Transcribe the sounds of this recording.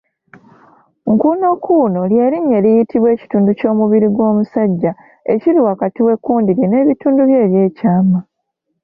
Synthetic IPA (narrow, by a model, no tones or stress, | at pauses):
ŋkuːno̞kʰːuːno̞ljeliɲːe̞lijitiβwe̞ːci̥tuːnduco̞ːmuβiɾiɡwo̞ːmusaɟːa | e̞̰ciɾiwakatiwe̞kːuːndiɾjine̞ːβituːnduβje̞ːβje̞ːcaːma